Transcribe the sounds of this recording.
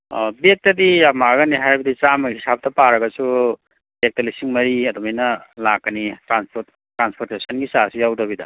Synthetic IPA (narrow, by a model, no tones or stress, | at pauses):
bek̚tɐdijamaɡɐniɦajbɐdit͡ʃamɐhisap̚tɐpaɾɐɡɐsu | bek̚tɐlisiŋmɐɾiɐdumajnɐlakːɐnitɾanspo | tɾanspʰoɾtesʰɐnɡisasijawdɐbidɐ̰